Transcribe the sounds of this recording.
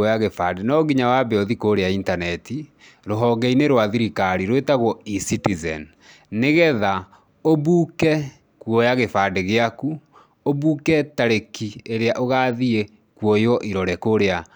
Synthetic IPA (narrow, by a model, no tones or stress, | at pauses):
ɔjaɣefadenɔɣiɲawabeɔðikoɾeaintanɛti | ɾoɦɔɡɛineɾwaðiɾikaɾiɾwetaɣwɔisitizɛn | neɣɛða | oβukɛ | kwɔjaɣefadeɣeaku | oβuːkɛtaɾekieɾeaʔoɣaːðie | kwɔjɔʔiɾɔɾɛkoɾea